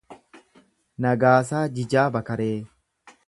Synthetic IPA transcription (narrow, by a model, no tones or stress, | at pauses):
nɐɡaːsaːd͡ʒɪd͡ʒaːbɐkɐɾeː